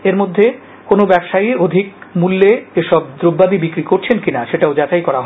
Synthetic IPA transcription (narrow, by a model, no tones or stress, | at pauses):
eɾmod̪ʱːe | konobɛbʃajod̪ʱik̚mulːeeʃɔb̚d̪ɾobːabibikɾikoɾt͡ɕʰenkinaʃeʈaod͡ʑatajkɔɾaɦɔ